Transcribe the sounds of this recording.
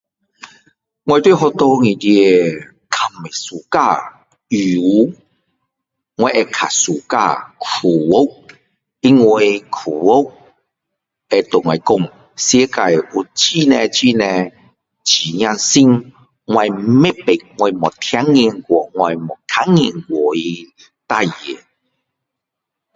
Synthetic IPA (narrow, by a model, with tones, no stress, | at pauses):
ŋwa˧jt̪wi˥˨ɦɔ˧t̪ɔ˧ŋĩ˨t̪i˧e˧ | kʰa˧˩me˨su˨ka˧˨ | u˨˦ | ŋwa˧˦ʔe˧kʰa̰˨su˨˩ka̰˧kʰu˨˩wo˦k̚ | i˧ŋwe˧kʰu˨wo˦k̚ | e˧t̪o˨ŋwa˨˧˨kɔ˥˧˨ŋ | sje˦ka˧ju˨t͡ɕi˦nɛ̃˧t͡ɕi˦˧˨nɛ̃˧ | t͡ɕi˨ɲj̃ã˧nsi˦ŋ | ŋwa˧jme˦pe˨k̚ŋwa˧jmɔ˨˩t̪ʰja˦ŋ˧i˧nɡwɔ˨˩ŋwa˧jmɔ˨˩t̪ʰa˦ŋːi˧˨nɡwɔ˨˩i˧ | t̪a˥˧je˨˩˨